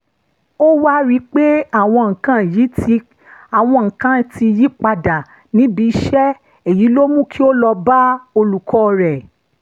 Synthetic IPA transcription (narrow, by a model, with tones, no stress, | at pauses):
o˦wa˦ɾi˦k͡pe˦a˦˨w̃ɔ̃˧ŋ̩̃˨kã˨˦˨ji˨˦tʰi˧ | a˨w̃ɔ̃˧ŋ̩̃˨kã˨˦ti˧ji˨˦k͡pa˧da˨ | nĩ˨˦bi˧˦ʃɛ˦ | e˨ji˨˦lo˦mũ˦˨kʰi˦o˦lɔ˧ba˦o˧lu˨kɔ˧ɾɛ˨